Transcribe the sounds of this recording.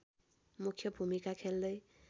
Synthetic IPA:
mukʰjʌbʱumikakʰeld̪ʌj

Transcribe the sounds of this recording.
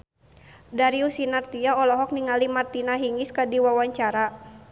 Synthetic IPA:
daɾiusinart̪iaɔlɔɦɔk̚niŋalimart̪inaɦiŋiskadiwawaɲt͡ʃaɾa

